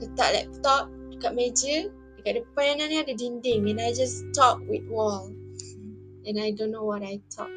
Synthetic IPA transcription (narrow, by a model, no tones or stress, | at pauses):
kət̪ɔ̰ʔlɛ̰k̚t̪ɔp̚dəkat̚med͡ʒə | dəkaʔ̚dəəpanãnãnĩadədindɪŋɛ̃najd͡ʒastɔp̚wit̚wɔl | ɛ̃najdõnːowɔtajtʰɔ̰p̚